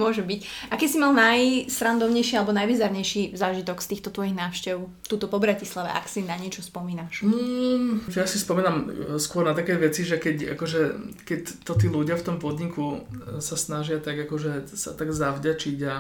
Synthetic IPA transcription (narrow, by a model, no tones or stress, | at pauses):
mʊɔʒɛbicʔakɛsimalnajsɾand̪ɔʊɲɛjʃialɛbɔnajʋizaɾɲɛjʃizaːʒit̪ɔkst̪iːxt̪ɔt̪ʋɔjiɣnaːʊʃcɛʊt̪uːt̪ɔpɔbɾacislaʋɛ̰ʔa̰ksinaɲɪɛt͡ʃɔspɔmiːnaʃ̩ | jasispɔmiːnamskʊɔɾnat̪akɛjʋɛt͡siʒɛkɛca̰kɔʒɛkɛct̪ɔt̪iːluɟɪaft̪ɔmpɔd̪ɲikusasnaʒɪat̪aɡakɔʒɛsa̰t̪aɡzavɟat͡ʃiɟa